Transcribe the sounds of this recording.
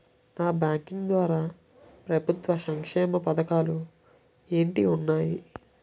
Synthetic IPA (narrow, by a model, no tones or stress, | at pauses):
naːbjaːŋkiŋd̪ʋaːɾaː | pɾɐbʱut̪ʋɐsɐŋkʂɛːmɐpɐd̪ɐkaːlu | e̞ːɳʈiunːaːji